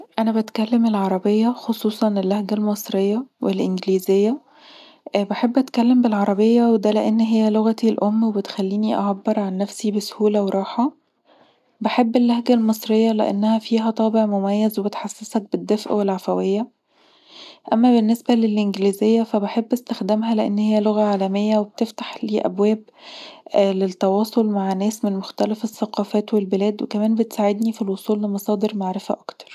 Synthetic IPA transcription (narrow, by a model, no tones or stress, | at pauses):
ʔænæbæt̪kælːemelʕɑɾˤɑbejːɑxosˤuːsˤɑnelːæhɡælmɑsˤɾejːɑwʔelʔenɡliːzejːæ | beħebːʔæt̪kælːembelʕɑɾˤɑbejːɑwed̪æleʔenːɦejːæloɣæt̪ilʔomːwebet̪xælːiːniʔɑ̰ʕabːeɾˤʕanːæfsibeso̥huːlæweɾˤɑːħɑ | beħebːelːæhɡælmesˤɾejːɑlḛʔḛnːæhæfiːɦæt̪ˤɑːbeʕmomæjːæzwebet̪ħɑsːesˤɑk̚bed̪ːefʔwelʕafæwejːæ | ʔæmːæbenːesbælelʔenɡliːzejːæfæbeħebːʔest̪æxd̪æmɦæleʔḛnːhejːæloɣæʕaːlæmejːæweb̚t̪eft̪ḁħliːʔæ̰bwæːb̚ | let̪ːɑwɑːsˤolmaʕnæːsmenmoxt̪ælæfesːæqɑːfæːt̪welbelæːd̪wekæmæːnbet̪saːʕed̪nifilwosˤuːlːemɑsˤɑːd̪eɾmaʕɾefæ̰ʔɑkt̪ɑ̥ɾˤ